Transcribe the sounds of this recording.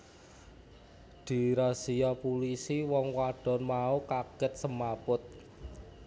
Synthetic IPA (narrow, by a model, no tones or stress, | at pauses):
d̪̥i̤ɾasijapulisiwɔŋwaɖ̥ɔ̤nmaukaɡ̥ɛt̪̚səmapʊt̪̚